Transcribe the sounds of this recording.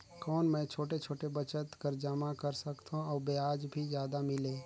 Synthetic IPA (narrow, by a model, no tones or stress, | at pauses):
kɔːnmɛ̃ːt͡ʃʰoːʈet͡ʃʰoːʈebət͡ʃət̪kəɾd͡ʒəmakəɾsəkt̪ũɔːbeaːd͡ʒbʱizjaːd̪amɪleː